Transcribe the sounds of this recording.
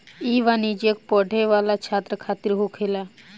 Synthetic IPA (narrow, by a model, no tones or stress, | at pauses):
iːʋanid͡ʒjək̚pɔɖʱeʋaːlat͡ʃʰaːt̪ɾəkʰaːt̪iɾɦokʰeːla